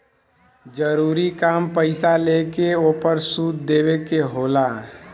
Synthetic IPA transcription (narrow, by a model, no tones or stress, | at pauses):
d͡ʒəɾuːɾikaːmpəɪsalekeoːpəɾsuːd̪d̪eːwekeɦoːlaː